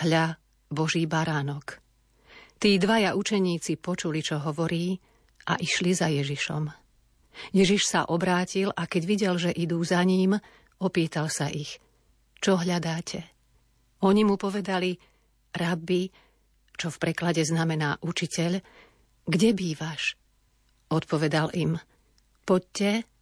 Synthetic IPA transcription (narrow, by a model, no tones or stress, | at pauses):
ɦʎa | bɔʒiːbaɾaːnɔk | t̪iːd̪ʋajaʔut͡ʃɛɲiːt͡sipɔt͡ʃulit͡ʃɔɦɔʋɔɾiː | ʔa̰ʔiʃlizajɛʒiʃɔ̰m | jɛʒiʃsa̰ʔɔbɾaːcilʔakɛɟʋiɟɛlʒɛʔid̪uːzaɲiːm | ɔpiːt̪alsaʔix | t͡ʃɔɦʎad̪aːcʰɛ | ɔɲimupɔʋɛd̪ali | ɾabi | t͡ʃɔfpɾɛklaɟɛznamɛnaːʔut͡ʃicɛʎ | ɡɟɛbiːʋaʃ | ɔt̪pɔʋɛd̪alʔim | pɔc̚cːɛ